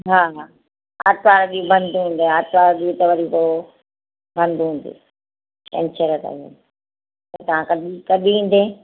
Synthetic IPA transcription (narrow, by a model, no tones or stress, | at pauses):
ɦaːɦaː | a̰ːt̪ʋaːɾɗiːubɐ̃nd̪uɦũːn̆d̪eaːt̪ʋaːɾɗiːut̪ɐʋɐɾiko | bɐ̃nd̪uɦũnd̪ḛː | ʈɛ̰̃nt͡ʃəɾət̪a̰ɦi | tot̪ɐʋ̤ãkɐɗikɐɗiĩːn̆d̪eː